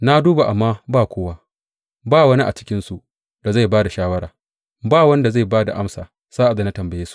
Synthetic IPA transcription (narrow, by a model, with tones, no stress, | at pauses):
na˦duː˦ba˨ʔa˨mːaː˦baː˦˨kʷoː˦waː˦ | baː˦˨wɐ˦ni˦ʔa̰˨t͡ʃɪ˦kʲɪ˦nsu˨ | d̥a˨za˦˨jbaː˦da˨ʃaː˦wɐ˦ɾaː˨ | baː˦˨wɐ˦nda˨za˦˨baː˦da̰˨ʔa˦msa̰ː˨ | z̥aː˦ʔa˨da˨na˦tɐ˨mbɐ˨jeː˦su̥˦ʔ